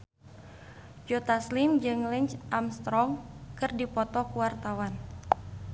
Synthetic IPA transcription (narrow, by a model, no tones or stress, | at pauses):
d͡ʒot̪aslimd͡ʒɨŋlɛɲt͡ʃʔamst̪ɾɔŋkɨrdipɔt̪ɔkuwart̪awan